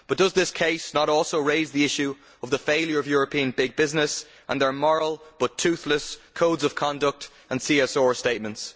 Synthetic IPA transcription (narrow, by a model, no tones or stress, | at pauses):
b̥ʌt̚d̥ʌzðɪskʰeɪsnəɾɔːlˠsoʊɹeɪzðiɪʃʉ | əvðəfeɪlˠjə˞ʌvjɔːɹəpʰĩə̃nbɪɡ̚bɪznɪs | ʔə̰̃nðə˞mɔɹəlˠb̥ʌtʰʉˑθləskʰoʊdzʌv̥kʰɑ̃ndək̚t | ə̃nsiɛsɔːɹsteɪt̚mə̃nts